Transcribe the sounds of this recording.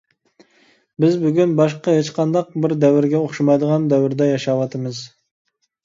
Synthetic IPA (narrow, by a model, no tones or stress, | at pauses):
bɪzbyɡʲynbɑʃqɑɦet͡ʃqʰɑnd̪ɑq̚bɪɾd̪ɛwɪɾɡʲɛoχʃumɑjd̪əʁɑnd̪ɛwɪɾd̪ɛjɑʃɑwɑt̪ʰɨmɨz